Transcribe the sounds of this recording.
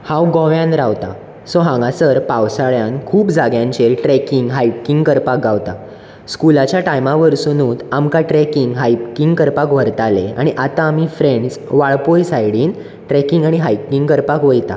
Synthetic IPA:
hãwɡɔ̃ʋjãnɾaʋt̪a̰ | sɔɦãŋɡasəɾpawsaɭjãnkʰuːpd͡zaɡjãɲt͡ɕelʈɾɛkiŋɡɦajpkiŋɡkəɾpak̚ɡawt̪a | skulat͡ɕjaʈajmaʋəɾsunuːt̪amkaʈɾɛkiŋɡɦajpkiŋɡkəɾpakʋ̤əɾt̪alea̰ɽ̃iʔat̪ãːmifɾeɳɖsʋaɭpojsajɽiːn | ʈɾɛkiŋɡaɽ̃iɦajp̚kiŋɡkəɾpakʋəjt̪a̰

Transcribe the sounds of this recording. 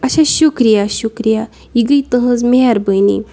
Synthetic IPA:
aɕaɕukɾijaɕukɾija | iɡəjt̪əɦə̃t͡smiaɾbəjnḭ

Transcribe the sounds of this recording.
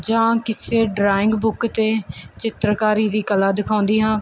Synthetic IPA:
d͡ʒãːkɪseːɖɾaːɪ̃ŋɡbʊkt̪eːt͡ʃɪt̪ɾəkaːɾiːd̪iːkəlaːd̪ɪkʰãːnd̪iːɦãː

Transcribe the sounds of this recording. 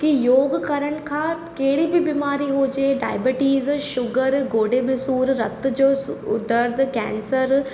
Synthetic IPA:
kijoːɡkɐɾəɽ̃kʰã | keːɽibʱibimaːɾiɦoːd͡ʒeːɖa̰ːjbeʈiːzʃʊɡəɾɡoːɖemesuːɾɾɐt̪d͡ʒoːsʊ̰d̪əɾd̪ʱkɛ̰̃ːnsəɾ

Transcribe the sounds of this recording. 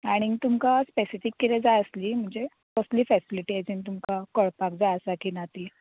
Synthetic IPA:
aɽ̃it̪umkaspesifikːiɾɛd͡zajəsliːm̤əɳd͡ze | pəsliːfɛsiliʈied͡zint̪umkakəɭpak̚d͡zajəsakiːnat̪i

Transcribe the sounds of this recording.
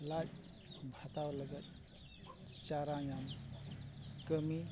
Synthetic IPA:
lat̚ | bʱatawlɐɡɐt̚ | t͡ʃaɾajam | kəmi

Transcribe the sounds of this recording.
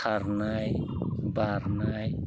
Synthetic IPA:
aɾnaj | baɾnaj

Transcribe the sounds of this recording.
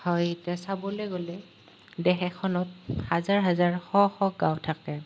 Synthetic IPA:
hɔjdɛsabɔlejɡolɛ | dɛxɛkʰɔnɔt̚hazaɹɦazaɹxɔxɔɡawtʰakɛ

